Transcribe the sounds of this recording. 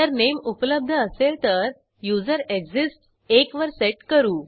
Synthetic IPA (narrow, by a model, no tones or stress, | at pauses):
əɾnemupləb̚d̪ʱəəselt̪əɾ | jud͡zəɾeɡd͡zisʈ | ekʋəɾseʈkəɾuː